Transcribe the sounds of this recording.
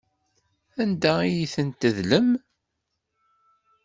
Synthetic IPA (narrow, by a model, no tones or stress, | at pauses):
ænd̪æijiθənt̪əðləm